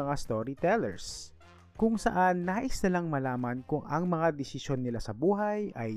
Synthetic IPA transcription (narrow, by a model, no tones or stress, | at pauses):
ɐŋast̪o̞ɾit̪ɛlɛ̰ɹs | kʊŋsɐ̰ʔanːaːʔɪsnɐlaŋmɐlaːmɐnkʊŋɐŋmɐŋad̪ɛsɪsjo̞nːɪlasɐbuːɦɐjɐj